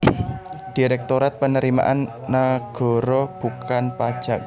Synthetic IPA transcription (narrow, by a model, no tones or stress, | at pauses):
d̥iɾɛk̚t̪oɾat̪̚pənəɾima̰ʔanː | aɡ̥ɔ̤ɾɔb̥ukʰanpad̥ʒ̥a̤k̚